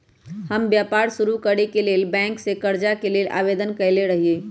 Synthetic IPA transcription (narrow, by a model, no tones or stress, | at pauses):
həmbjaːpaɾsuɾukəɽekeleːlbɛ̃ːŋksekəɾd͡ʒakeleːlʔa̰ːʋed̪ənkəɪleɾəɦieː